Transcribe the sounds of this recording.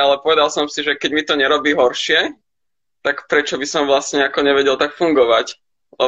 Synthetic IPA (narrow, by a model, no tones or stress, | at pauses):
alɛpɔʋɛd̪alˠsɔmsiʒɛkɛɟmit̪ɔɲɛɾɔbiːɦɔɾʃɪɛ | t̪akpɾɛt͡ʃɔbisɔmʋlastɲɛakɔɲɛʋɛɟɛlˠt̪akfuŋɡɔʋac | lɛ